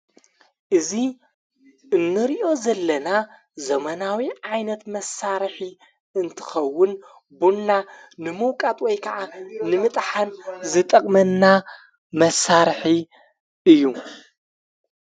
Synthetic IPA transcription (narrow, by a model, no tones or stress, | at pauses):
ʔɨzi | ʔɨnːɨɾiʔo̞zɐlːɐna | zɐmɐnawiʕajnɐt̪mɐsːaɾħi | ɨnt̪ʰɨ̥xɐwːʊn | bunːa | nɨmɨwkʼat̪ʼwɔjkʰɐʔanɨmɨt̪ʼħanzɨt̪ʼɐkʼmɐnːa | mɐsaɾħi | ʔɨjːu